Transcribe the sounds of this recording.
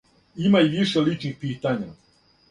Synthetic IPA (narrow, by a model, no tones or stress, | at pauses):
imaiʋiʃelit͡ʃnixpiːt̪aɲa